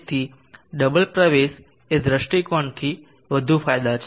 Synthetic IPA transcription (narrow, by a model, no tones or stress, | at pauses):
t̪ʰi | ɖəbəlpɾəʋeʃ | ed̪ɾəʃʈikɔɳt̪ʰi | ʋəd̪ʱufajd̪at͡ʃʰ